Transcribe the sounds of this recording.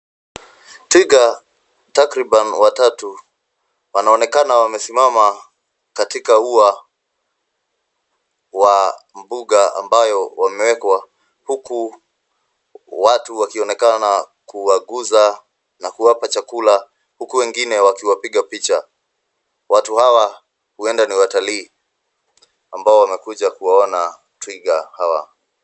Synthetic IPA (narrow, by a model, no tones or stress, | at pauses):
tiɡa | takɾiɓanwatatu | wanaɔnɛkanawamɛsimama | katikaua | wam̩buɠaa̰mbajɔwamɛwɛkwa | huku | watuwakiɔnɛkana | kuwaɠuza | nakuwapat͡ʃakula | hukuwɛŋɡinɛwakiwapiɠapit͡ʃa | watuhawa | huɛndaniwataliː | ambaɔwamɛkuʄakuwaɔna | twiɡahawa̰